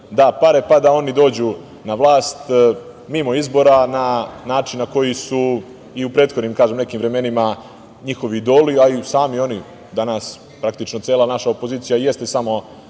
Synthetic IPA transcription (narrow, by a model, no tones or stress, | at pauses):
d̪apaɾe̞pad̪ao̞nid̪o̞ːd͡ʑu | naʋlˠaːst̪ | mimo̞izbo̞ɾananaːt͡ʃinnːako̞jisu | iupɾe̞ːt̪xod̪nimkaːʒemne̞kiːmʋɾe̞me̞nima | ɲixo̞ʋiːd̪o̞ːliaisaːmio̞ni | d̪anas | pɾak̚t̪it͡ʃnot̪se̞ːlˠanaʃaopo̞ziːt̪sijaje̞st̪e̞samo̞